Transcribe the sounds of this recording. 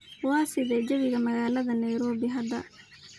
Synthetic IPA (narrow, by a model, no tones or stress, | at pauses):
wɑːsɪðɛd͡ʒɐβɪɣɐmɐɣaːlɐðɐnɐjɾɔːbɪɦɐd̪ɐ̰